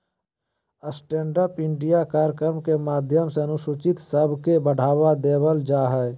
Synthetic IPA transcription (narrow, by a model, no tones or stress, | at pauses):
əsʈẽːɳɖəpɪ̃ɳɖijakaːɾkɾəɾmkemaːd̪ʱjəmseənʊsut͡ʃɪt̪səbʱkebəɽ̤aːwad̪eːbəld͡ʒaːɦɛː